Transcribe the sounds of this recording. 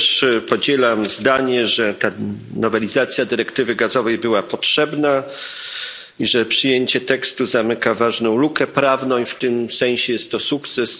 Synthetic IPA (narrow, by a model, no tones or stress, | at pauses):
ʂpɔd͡ʑɛlamzd̪aɲɛʐɛt̪anɔvɛlʲizat̪sʲjad̪ɘɾɛkt̪ɘvɘɡazɔvɛjbɘwapɔtʂɛbna | iʐɛpʂɘjeɲt͡ɕɛt̪ɛkst̪uzamɘkavaʐnɔ̃w̃lukɛpɾavnɔ̃w̃ft̪ɘmsɛ̃ɕɛjɛst̪ːɔsukt̪sɛs